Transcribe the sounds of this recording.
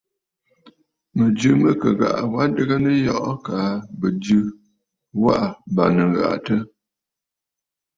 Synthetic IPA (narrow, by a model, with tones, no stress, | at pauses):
mə˨d͡ʒɨ˦mə˦kə̰˨ɣa̰˨ʔwa˦də˦ɣə˦nə˦jɔ˦ʔɔ˦kaː˨bə˨d͡ʒɨ˦ | wa̰˦ʔa˨ba˨nə˨ɣa̰˨ʔtə˦